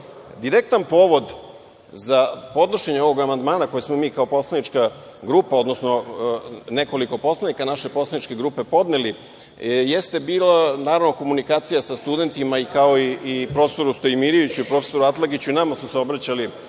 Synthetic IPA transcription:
d̪iɾek̚t̪anpo̞ːʋo̞d̪ | zapo̞d̪noʃe̞ɲeo̞ʋo̞ɡamand̪maːnako̞jesmomiːkaopo̞slˠanit͡ʃka | ɡɾuːpao̞d̪nosno̞ | ne̞ko̞liko̞po̞slˠanikanaʃe̞poslanit͡ʃke̞ɡɾupe̞po̞d̪neli | jest̪e̞biːlanaːɾaʋno̞ko̞munikaːt̪sijasast̪ud̪e̞nt̪imaikao̞iipɾo̞fest̪oɾust̪eimiɾiʋit͡ɕuipɾo̞fe̞so̞ɾuat̪lˠaɡit͡ɕuinamasuseo̞bɾat͡ɕali

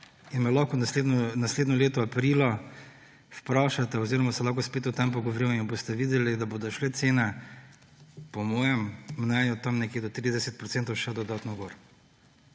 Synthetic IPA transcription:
inmɛlɔkɔnled̪nɔnasleːd̪nɔleːt̪ɔapɾilɔ | fpɾaːʃat̪ɛɔziːɾɔmasɛlaːxkɔspeːt̪ʊt̪ampɔɡɔʋoɾiminbost̪ɛʋiːd̪ɛlid̪abod̪ɔʃlɛt̪seːna | pɔmɔːjɛmːnɛnjɔt̪amnɛkeːd̪ɔt̪ɾiːd̪ɛsɛt̪̚pɾɔt̪sɛːnt̪ɔwʃɛd̪ɔd̪at̪nɔɡoːɾ

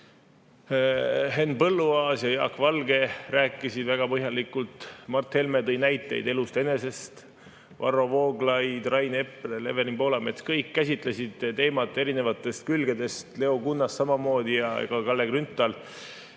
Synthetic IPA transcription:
ɦe̞npɤlːuɑːsjɑjɑːkːvɑlɡe̞ræːkːˑisid̪væɡ̥ɑpɤɦjɑlikːult̪mɑrt̪he̞lme̞t̪ɤjnæjt̪ːˑe̞̰jd̪e̞lust̪e̞ne̞se̞st̪ | vɑ̰rːo̞vo̞ːɡlɑjd̪rɑjne̞pːelele̞̰ve̞ɾimpo̞ːlɑme̞t̪skɤjkːæsʲit̪ˑlesid̪̥t̪e̞ːmɑt̪ːˑe̞ɾine̞vɑt̪ːˑe̞st̪̚kylɡed̪e̞st̪le̞o̞kunːɑssɑmɑmo̞ːd̪ijɑ̰kɑkɑlːe̞ɡ̥rynt̪ːˑɑl

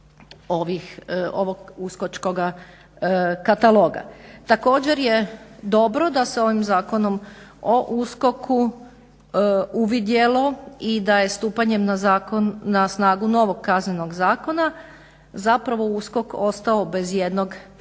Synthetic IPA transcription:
oʋixoʋoɡuskot͡ʃko̞ɡa | kat̪alˠo̞ːɡa̰t̪ako̞ːd͡ʑe̞ɾje̞d̪o̞bɾo̞d̪ase̞o̞ʋimzaːko̞no̞moʔusko̞kʰu | uʋid̪je̞lˠo̞id̪aje̞st̪uːpaɲe̞mnazaːkonːasnaːɡuno̞ʋo̞ɡ̚kazneno̞ɡzaːko̞na | zapɾaʋo̞usko̞ko̞st̪ao̞be̞zje̞d̪no̞ɡ

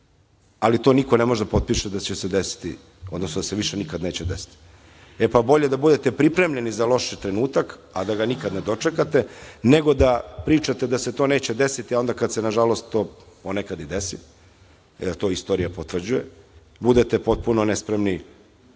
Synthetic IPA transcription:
alit̪o̞niko̞nemo̞ʒed̪apot̪̚piːʃed̪at͡ɕesed̪esi̥t̪ḭ | o̞d̪nosnod̪aseʋiʃenikad̪ne̞ːt͡ɕed̪esi̥t̪i̥ | epabo̞ʎe̞d̪abud̪e̞t̪epɾipɾemʎe̞nizalˠo̞ʃit̪ɾenuːt̪akad̪aɡanikad̪ned̪o̞t͡ʂekat̪e̞neɡo̞d̪apɾiːt͡ʂat̪e̞d̪aset̪o̞ːneːt͡ɕed̪esit̪iao̞nd̪akad̪senaʒalo̞st̪ːo̞ː | ponekad̪id̪esi | eɾt̪o̞ːist̪o̞ːɾijapot̪ʋr̩d͡ʑuje | bud̪et̪epo̞t̪̚punonespɾemni

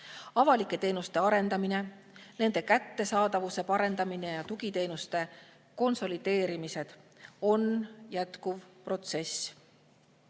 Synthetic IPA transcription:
ɑvɑlikːˑe̞t̪e̞ːnust̪e̞ɑɾe̞nd̪ɑmine̞ | ne̞nd̪̥e̞kæt̪ːe̞sɑːd̪̥ɑvuse̞pɑɾe̞nd̪̥ɑmine̞jɑt̪uɡ̥it̪e̞ːnust̪e̞ | ko̞nso̞lid̪̥e̞ːɾimise̞d̪̥o̞njæt̪kuvpro̞t̪se̞s

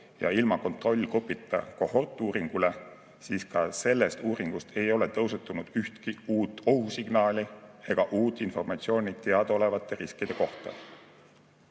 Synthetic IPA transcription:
jɑ̰ilmɑko̞nt̪ˑro̞lʲːkrupːˑit̪ːˑɑ̰ko̞ho̞rt̪ːˑuːɾiŋɡ̥ule̞ | siːskɑse̞lːest̪uːɾiŋɡ̥ust̪ʰe̞jo̞le̞t̪ɤwset̪ːˑunud̪̥yht̪kiuːt̪ːˑo̞husiɡ̥nɑːlʲie̞ɡ̥ɑʔuːt̪ːˑinfo̞rmɑt̪sio̞ːnʲit̪e̞ɑd̪̥o̞le̞vɑt̪ːˑe̞ɾiskid̪̥e̞ko̞ht̪ɑ̰

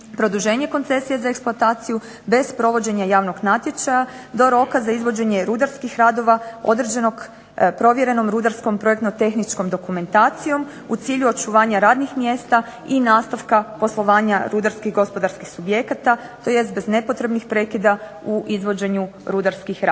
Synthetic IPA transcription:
pɾo̞d̪uʒe̞ːɲe̞ko̞nt̪se̞sijezaeksplˠuat̪aːt̪siju | be̞zpɾo̞ʋo̞d͡ʑe̞ɲajaːʋno̞ɡnat̪je̞t͡ʃajad̪o̞ɾo̞kazaizʋo̞d͡ʑe̞ɲe̞ɾud̪aɾskixɾaːd̪o̞ʋao̞̰d̪ɾed͡ʑe̞no̞ɡ | pɾo̞ʋjeɾe̞no̞mɾud̪aɾsko̞mpɾo̞je̞kt̪not̪e̞xnit͡ʃko̞md̪o̞kume̞nt̪aːt̪sijo̞m | ut̪siːʎuo̞t͡ʃuʋaːɲaɾaːd̪nixmje̞ːst̪a | inaːst̪aʋkapo̞slˠo̞ʋaːɲaɾud̪aɾskiɣɡo̞spo̞d̪aɾskixsubje̞kat̪a | t̪o̞je̞st̪̚be̞zne̞po̞t̪ɾe̞bnixpɾe̞kid̪a | uʔizʋo̞d͡ʑe̞ɲuɾud̪aɾskixɾa

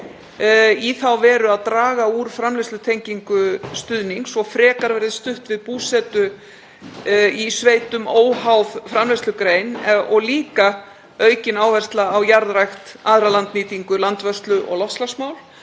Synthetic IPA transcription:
iθawvɛːɾʏaðt̪ɾaːɣauɾ̥fɾamlest̪ʏt̪ʰejɲciŋkʏst̪ʏðniŋksɔfɾɛːkaɾvɛɾɪðst̪ʏht̪vɪðpuːsɛt̪ʏ | isveːjt̪ʏmoːwhawð̥fɾamlest̪lʏkɾeːjnɔɣliːka | œːɥcɪnaːwvɛr̥st̪laːwjaɾðɾajxt̪aːðɾalant̪niːt̪iŋkʏlant̪vœst̪lʏʔɔ̰ɣlɔft̪slasmaːwl

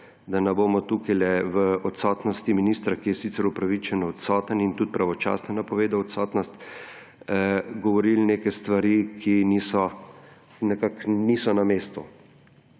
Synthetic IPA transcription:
d̪anɛboːmɔt̪ukajlɛʋəɔt̪sɔt̪nɔst̪iminist̪ɾakijɛsit̪sɛɾupɾaʋit͡ʃɛnɔːt̪sɔːt̪ənint̪ut̪̚pɾaʋɔt͡ʃa̰ːsnɔnapɔʋeːd̪awɔt̪sɔːt̪nɔst̪ | ɡɔʋɔɾilnekɛst̪ʋaɾikʰinisɔ | nɛkaknisɔnameːst̪u

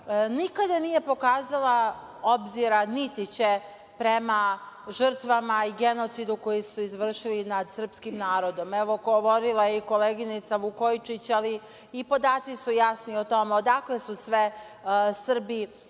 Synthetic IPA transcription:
nikad̪anije̞po̞kaːzala | obziɾanit̪it͡ɕe | pɾema | ʒr̩t̪ʋamaiɡeno̞t̪sid̪uko̞jisuizʋr̩ʃilinad̪sr̩pskimnaːɾo̞d̪o̞meʋoɡoʋo̞ɾilˠajeiko̞leɡinit̪saʋukojt͡ʃit͡ɕaliː | po̞d̪aːt̪sisujasniot̪o̞meod̪aklesusʋe | sr̩bi

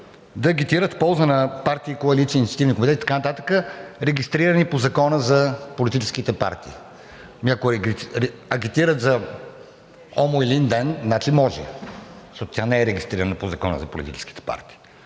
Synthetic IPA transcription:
d̪ɐːɡit̪iɾət̪pɔlˠzənɐpaɾt̪iːkoɐlit̪sinit̪sʲɐt̪ivnikomit̪ɛt̪it̪ɐ̥kanɐt̪at̪ə̥kəɾɛɡʲist̪ɾiɾənipozɐkɔnəzɐpolit̪it͡ʃɛ̥skit̪ɛpa̰ɾt̪ḭː | mʲako | ɐɡit̪iɾət̪zɐ | ɔmoilind̪ɛnnat͡ʃimɔʒɛ̰ʃɔt̪ot̪ʲjanɛɛɾɛɡʲist̪ɾiɾənəpozɐkɔ̰nə̰zɐpolḭt̪ḭt͡ʃɛski̥t̪ɛ̥pa̰ɾt̪i̥ː

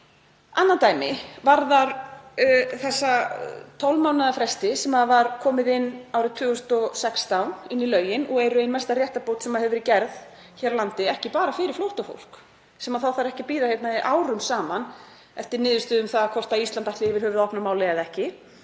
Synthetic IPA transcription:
anːat̪aːjmɪvaɾðaɾ | θɛsːat̪ʰɔwlmaːwnaðafɾɛst̪ɪsɛmaðvaɾ̥kʰɔːmɪðɪnːawɾɪt̪ʰvʏːɣʏst̪ɔsɛkst̪awnɪnːilœːɥjɪnɔɣɛɾʏejnmɛst̪aɾrjɛht̪apowt̪sɛmaðhɛvʏɾicɛɾð | çɛːɾlant̪ɪɛhcɪpaːɾafɪɾɪ̥ɾflowht̪afo̰wl̥k | sɛmaðθawθaɾɛhcɪpiːɾahɛt̪naiʔaːwɾʏmsaːman | ɛft̪ɪɾnɪːðʏst̪ʏːðʏmθaðakʰɔr̥t̪aist̪lant̪aht̪lɪvɪɾ̥hœːvɪðɔhpnamaːwlɛaðɛhcɪ

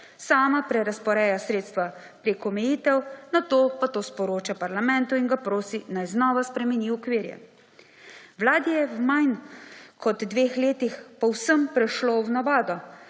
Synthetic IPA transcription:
saːmapɾɛɾaspɔɾɛːjasɾeːt̪st̪ʋa | pɾeːkɔmɛjiːt̪ɛwnat̪oːpat̪oːspɔɾoːt͡ʃapaɾlamɛnt̪uinɡapɾoːsinajznɔːʋaspɾɛmɛnʲiukʋiːɾjɛ̰ | wlaːd̪ijɛwmajnkʰɔd̪ːʋeːxleːt̪ixpɔwsəmpɾɛʃlownaʋaːd̪ɔ

